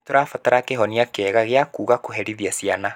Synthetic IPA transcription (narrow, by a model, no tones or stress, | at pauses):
toɾafataɾakeɦɔniakɛːɣaɣeakuːɣakoɦɛɾiðiasiana